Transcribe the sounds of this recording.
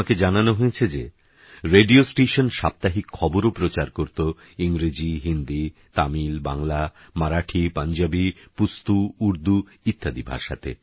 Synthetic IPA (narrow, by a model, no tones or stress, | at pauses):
aked͡ʑananoɦoet͡ɕʰed͡ʑe | ɾeɖiosʈeʃonʃap̚t̪aɦikʰːɔboɾopɾot͡ɕaɾkoɾt̪o | iŋɾed͡ʑiɦind̪it̪amilba̰ŋla | maɾaʈʰipaɲd͡ʑabipust̪uuɾd̪u | it̪ʰːad̪ibʱa̰ɾʃa̰t̪ʰḛ